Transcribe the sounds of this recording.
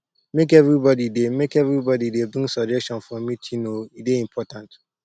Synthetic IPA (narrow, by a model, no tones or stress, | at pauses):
mek̬ɛvɾibɔdidemekɛvɾibɔdidebɾĩŋsɔd͡ʒɛstɔ̃nfɔmitʰinoideĩmpʰɔtãnt